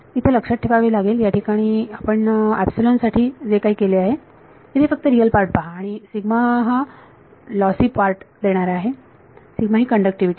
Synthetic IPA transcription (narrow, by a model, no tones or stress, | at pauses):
it̪ʰeləkʂaʈ̚ʈʰːepaʋeːlaɡeljaʈʰikaɽ̃iːapəɳɛpsulənsaʈʰiːd͡zekaɦiːkeleaɦe | t̪et̪ʰefək̚t̪əɾijəlpaɾʈ̚paːɽ̃isiɡmaɦa | lɔsiːpaɾʈd̪eɽ̃aɾaɦe | siɡmaɦiːkəɳɖək̚ʈiʋiʈiː